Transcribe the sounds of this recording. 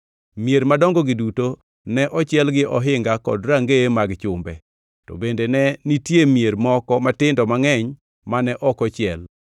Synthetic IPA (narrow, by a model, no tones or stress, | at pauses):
mjeɾmadɔŋɡɔɡɪduto | nɛʔɔt͡ʃɪɛlɡɪʔɔɦɪŋɡakɔ̰dɾaŋɡemaɡt͡ʃʊmbɛ | tɔ̰bendenɛnitjemjeɾmɔkɔmatɪndɔmaŋɛɲ | manɛʔɔkɔt͡ʃɪɛl